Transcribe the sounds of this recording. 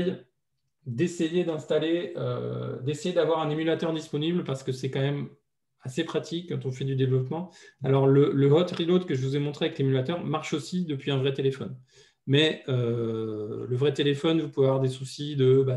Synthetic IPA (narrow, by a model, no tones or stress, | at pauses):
j | d̪esejed̪ɛ̃st̪aleø̰d̪esejed̪avwaʁɛ̃nemylat̪œʁd̪ispɔniblpaʁsə̥kəsɛkɑ̃mɛm | asepχat̪ʰikːɑ̃t̪ɔ̃fɛd̪yd̪evlɔpmɑ̃alɔʁlələɦɔt̪ʁilot̪kəʒəvuzɛmɔ̃t̪χeavɛklemylat̪œʁmaʁʃosid̪əpɥiɛ̃vʁɛt̪elefɔn | mɛø | ləvʁɛt̪elefɔnvupuveavwaʁd̪esusid̪əba